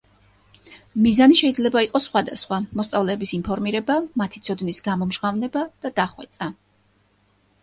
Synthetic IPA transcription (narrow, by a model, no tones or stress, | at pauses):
mizaniʃɛid̪zlɛbaiqʼɔsːχwad̪asχwamɔst̪sʼavlɛːbisinpʰɔɾmiɾɛbamat̪ʰit̪sʰɔd̪nisɡamɔmʒʁavnɛbad̪̥ad̪̥aχwɛt̪sʼa